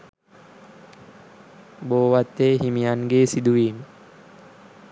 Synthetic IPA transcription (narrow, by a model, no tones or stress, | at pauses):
boːʋat̪ːeːɦimijanɡeːsid̪uʋiːn